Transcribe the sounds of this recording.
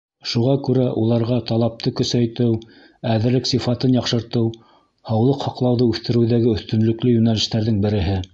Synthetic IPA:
ʃuʁɑkʉɾæʔulˠɑɾʁɑt̪ɑlˠɑp̚t̪ʰɤkɵ̆sæjt̪ɘw | æðɘ̆ɾlɘksifɑt̪ɤnjɑqʃɤ̆ɾt̪ɤw | hɑwlˠɤqhɑqlˠɑwðɤʉθt̪ɘ̆ɾɘ̆wðæɡɘɵ̆θt̪ɵ̆nlɵ̆klɵjʉnælɘ̆ʃt̪æɾðɘŋbɘ̆ɾɘ̆ɦɘ

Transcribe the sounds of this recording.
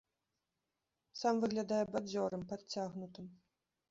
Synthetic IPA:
samvɨɣlʲad̪ajɛbad͡zʲɔɾɨmpat̪t͡sʲaɣnut̪ɨm

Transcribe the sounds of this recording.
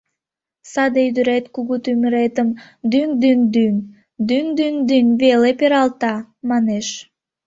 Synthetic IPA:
sɑd̪eyd̪əɾet̪kuɣut̪yməɾet̪əm | d̪yŋd̪ynd̪yŋ | d̪yŋd̪yŋd̪ynβelepeɾɑlt̪ɑmɑneʃ

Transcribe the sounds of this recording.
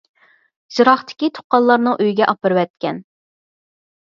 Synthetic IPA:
zɨɾɑχt̪ʰɪ̥kʲit̪ʰo̥qːɑnlˠɑɾnɨŋʔøjɡʲɛʔɑpɨɾwɛt̪̚kʲɛn

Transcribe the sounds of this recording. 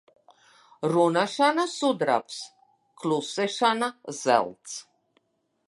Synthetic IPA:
ɾunaʃanasud̪ɾa̰ps | kʰlusɛʃanazɛ̰lˠt̪sʰ

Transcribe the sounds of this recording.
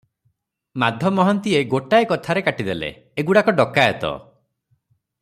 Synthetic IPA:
mad̪ʱjɔmɔɦɔnt̪ieɡoʈajkɔt̪ʰaɾekaʈid̪elḛ | eɡuɽakɔɖɔkːaet̪ɔ̰

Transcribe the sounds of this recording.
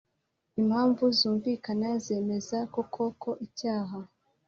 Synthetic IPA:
imhaːɱvuzuːɱviːkanaze̞ːme̞zako̞kʰo̞kʰo̞ʔicaːɦa

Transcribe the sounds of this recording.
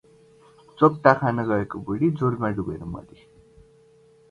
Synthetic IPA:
t͡sop̚t̪akʰanʌɡʌekobuɽid͡zoɾmaɖuɡeɾomʌ̰d̪i

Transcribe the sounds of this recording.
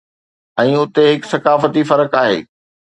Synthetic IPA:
ɛ̃ːʊt̪eɦɪksɐkaːfət̪ifɐɾəkaːɦḛː

